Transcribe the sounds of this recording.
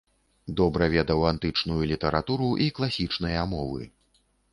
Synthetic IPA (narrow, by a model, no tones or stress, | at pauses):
d̪ɔbɾɐvʲɛd̪ɐwant̪ɨt͡ʂnujulʲit̪ɐɾat̪uɾuʔiklˠasʲit͡ʂnɐjɐmɔvɨ̰